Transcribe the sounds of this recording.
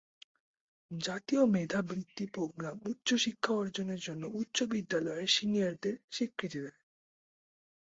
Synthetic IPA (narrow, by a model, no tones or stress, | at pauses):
d͡ʑat̪iomed̪ʱabɾit̪ːipoɡɾamutːɕoʃikʰːaɔɾd͡ʑoneɾd͡ʑonːoutːɕobid̪ːalɔeʃiniaɾd̪eɾʃikʰːɾit̪id̪ɛe